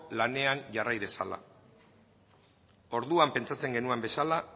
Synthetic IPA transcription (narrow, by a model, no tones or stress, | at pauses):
lane̞anʝarajðe̞sa̰la̰ | o̞ɾðuampe̞nt͡sat͡se̞ŋɡe̞nue̞mbe̞sala